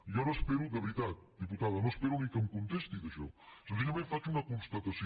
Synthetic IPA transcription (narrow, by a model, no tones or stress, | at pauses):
jɔnospeɾud̪əβɾit̪at̪̚d̪iput̪aðənospeɾunikəmkunt̪est̪iðəʃɔ̰səs̬iʎəmeɱfat͡ʃunəkunst̪ət̪əs